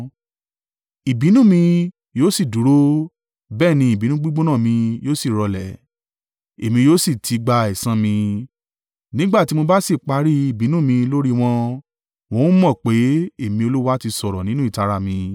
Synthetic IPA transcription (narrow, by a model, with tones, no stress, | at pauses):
i˨bi˨˦nũ˦mĩ˧ | joː˦si˦˨du˨˦ɾo˦ | bɛː˦˨nĩ˧i˨bi˨˦nũ˦ɡ͡bu˦ɡ͡bo˦nã˦˨mĩ˧joː˦si˦˨ɾɔ˧lɛ̰˨ | e˨mĩ˧joː˦si˦˨tʰi˧ɡ͡ba˧i˨sã˧mĩ˧ | nĩ˦ɡ͡ba˦˨ti˨˦mo˧ba˦si˦˨k͡pa˧˦ɾi˦i˦˨bi˨˦nũ˦mĩ˧lo˦ɾi˦w̃ɔ̃˧ | w̃ɔ̃˦ũ˦mɔ̃˦˨k͡pe˨˦e˦˨mĩ˧o˧lu˦wa˦ti˧sɔ˨ɾɔ˨nĩ˦nũ˦i˦˨ta˧ɾa˧mĩ˧